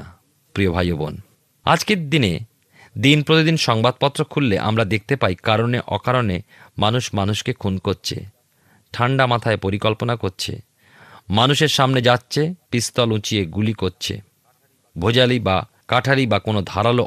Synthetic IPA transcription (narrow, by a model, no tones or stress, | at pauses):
pɾiobʱajobo̰n | a̰d͡ʑked̪ine | d̪inpɾot̪id̪inʃɔŋbad̪̚pɔt̪ːɾokʰulːeʔa̰mɾad̪ek̚ʰt̪epajkaɾoneʔɔkaɾone | manuʃmanuʃkekʰunkoɾt͡ɕʰḛ | ʈʰaɳɖamat̪ʰaepoɾikɔlponakoɾt͡ɕʰḛ | manuʃeɾʃamned͡ʑatːɕʰepist̪ɔlũt͡ɕieɡulikoɾt͡ɕʰḛ | bʱod͡ʑaliba | kaʈʰalibakonod̪ʱaɾalo